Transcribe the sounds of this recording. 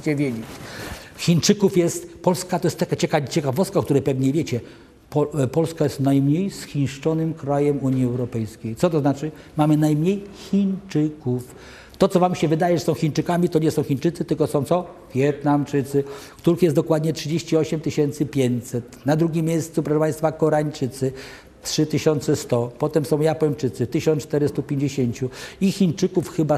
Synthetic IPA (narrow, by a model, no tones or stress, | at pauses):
t͡ɕɛvʲjed͡ʑet͡ɕxʲint͡ʂɘkufjɛst̪pɔlskat̪ɔjɛst̪ːakat͡ɕɛkat͡ɕɛkavɔst̪kak̚t̪uɾɛpɛvɲɛvʲjet͡ɕɛ | pɔpɔlskajɛst̪najmɲejsxʲinʂt͡ʂɔnɘmkɾajɛmuɲjiɛwɾɔpɛjskʲejt̪ɔt̪̬ɔznat͡ʂɘ | mamɘnajmɲejxʲint͡ʂɘkuf | t̪ɔt̪ɔvamɕɛvɘd̪ajɛʐɛsɔ̃w̃xʲint͡ʂɘkamʲit̪ɔɲɛsɔ̃w̃xʲint͡ʂɘt̪sɘt̪ɘlkɔsɔ̃w̃t̪ɔ | vʲjɛt̪namt͡ʂɘt̪sɘkt̪uɾɘxjɛsɔkwad̪ɲɛtʂɘd͡ʑeɕt͡ɕiɔɕɛmt̪ɘɕɛnt̪sɘpʲjeɲt͡ɕsɛt̪nad̪ɾuɡʲimʲːjejst̪supɾɔʂɛpãjst̪fakɔɾaɲt͡ʂɘt̪sɘ | tʂɘt̪ɘɕɔnt̪sɛst̪ɔpɔt̪ɛmsɔ̃w̃japɔɲt͡ʂɘt̪sɘt̪ɘɕɔnt̪ɛɾɘst̪upʲjeɲd͡ʑeɕeɲt͡ɕuixʲint͡ʂɘkufxɘba